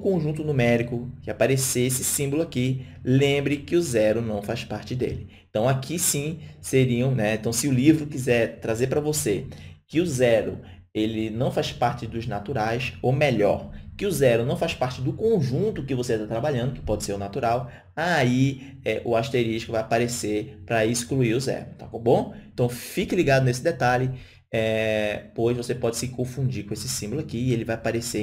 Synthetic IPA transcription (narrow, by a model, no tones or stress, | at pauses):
ʊkõʒũnt̪ʊnʊmɛɾikʊkɪapaɾeseesɪsĩmbʊlʊaki | lẽmbɾɪkɪʊzɛɾʊnɐ̃w̃faʃpaɾt͡ʃɪd̪ḛlɪẽt̪ɐ̃w̃akʰisĩseɾiɐ̃w̃nɛẽt̪ɐ̃w̃sɪʊlivɾʊkizɛɾt̪ɾazepɾɐvosekɪʊzɛɾʊ̰ | elɪnɐ̃w̃faʃpaɾt͡ʃɪd̪ʊznat̪uɾajsomeʎɔ̰ɾkɪʊzɛɾʊnɐ̃w̃faspaɾt͡ʃɪd̪ʊkõʒũnt̪ʊkɪvoset̪at̪ɾabaʎɐ̃d̪ʊkɪ̥pɔd͡ʒɪseɾʊnat̪uɾaw | ai | ɛʔʊaʃt̪eɾiʃi̥kʊvajapaɾeseɾpɾɐɪskluiɾʊzɛ̰ɾʊt̪akobõẽt̪ɐ̃w̃fikɪliɡad̪ʊnesɪd̪et̪aʎɪ | ɛpojzvosepɔd͡ʒɪsɪkõfũd͡ʒikõesɪsĩbʊlʊakiɪelɪvajapaɾese